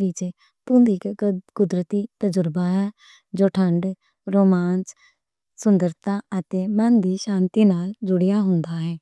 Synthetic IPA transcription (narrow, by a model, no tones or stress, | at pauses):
ɾɪt͡ʃe | t̪ʊ̃ːnd̪iːkkʊd̪ɾət̪iːt̪əd͡ʒʊɾbaːɦɛː | d͡ʒoːʈʰəɳɖ | ɾoːmaːns | sʊnd̪əɾt̪aːət̪eːmɛnd̪iːʃãːnt̪iːnaːld͡ʒʊɽɪjaːɦʊnd̪aːɦɛː